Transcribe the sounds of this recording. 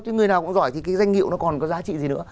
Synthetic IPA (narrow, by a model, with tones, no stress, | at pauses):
kaː˨˦ŋɨ˨˩jnaː˨wkʊ̰˧˥ŋ͡mzɔ˧˩jt̪ʰi˨˩kaː˨˦jza˧jŋ̟ŋḭ˧˨əwnɔ˨˦kɔ˨˩nkɔ˨˦zaː˨˦t͡ɕḭ˧˨zi˨˩nɨ̰˧˥ə